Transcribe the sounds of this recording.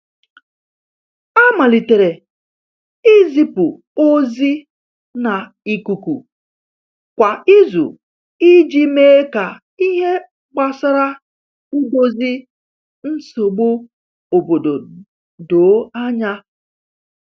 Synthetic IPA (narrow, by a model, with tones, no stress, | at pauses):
a˦ma˨li˨te˨ɾe˨ | i˦zi˦pu˨ | o˦zi˦ | na˨ | i˦ku˨kʷṵ˨ | kʷa˨i˦zṵ˨ | i˦d͡ʒi˦meː˦ka˨ | i˦ɦe˦ | ɡ͡ba˨sa˦ɾa˦ | u˦bo˦zi˦ | n̩˦so˨ɡ͡bo˦ | o˨bo˨do˨ | do˨˦a˦ɲa˦